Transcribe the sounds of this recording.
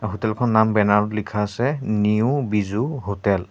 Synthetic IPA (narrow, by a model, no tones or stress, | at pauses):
ɦotɛlkʰɔnːambɛnaɹɔtlikʰaːsɛniubizuɦotɛl